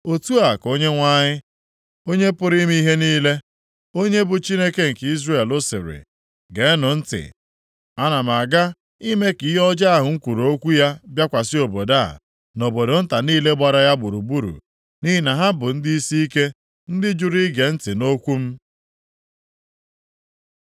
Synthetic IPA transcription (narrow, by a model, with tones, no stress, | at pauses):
o˨tu˦a˨ko˦ɲe˦ŋʷa˦ɲɪ˦ | o˦ɲe˦pʊ˦ɾi˦m˦i˦ɦe˦niː˦le˦ | o˦ɲe˦bʊ˨t͡ʃi˦ne˦ke˦ŋ̩˨ki˦zre˦˨e˨lʊ˦sɪ̰˨ɾɪ̰˨ | ɡe˨˦nʊ˨n̩˦tɪ̰˨ | a˦na˨ma˨ɡa˦ | i˦me˦ki˨˦ɦɔ˦d͡ʒa˦a˦ɦʊ˨ŋ̩˦kʷu˨ɾo˨˦kʷu˦ja˦bja˦kʷa˨sɪ˦o˨bo˨da˦˨ | no˨bo˨do˨n̩˦ta˨niː˦le˦ɡ͡ba˨ɾa˨ja˦ɡ͡bu˨ɾu˨bu˦ɾṵ˨ | ni˦ɦi˦na˨ɦa˦bʊ˨n̩˦di˦i˦si˦i˦ke˦ | n̩˦dɪ˦d͡ʒu˦ɾi˦ɡe˨n̩˦tɪ˨no˦kʷu˦m̩˦